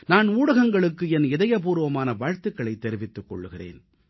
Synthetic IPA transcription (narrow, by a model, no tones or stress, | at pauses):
naːnuːɽɐɣɐŋɡɐɭɯkːɯɛnɪðɐjɐpuːɾɯʋɐmaːnɐʋaːɻt̪ɯkːɐɭɐɪt̪ːɛɾɪʋɪt̪ːɯkːɔ̰ɭːɯɣɪrḛːn